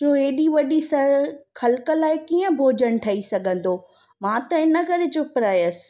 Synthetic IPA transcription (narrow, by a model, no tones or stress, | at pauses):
oeːɗiʋɐɗisɐɾxɐlkəlaːɪkiːə̃bʱoːd͡ʑəɽ̃ʈʰɐisɐɡʱə̃nd̪oː | mãːt̪ɐɪnə̆kɐɾet͡ɕʊpɾaːjəsɪ̥̆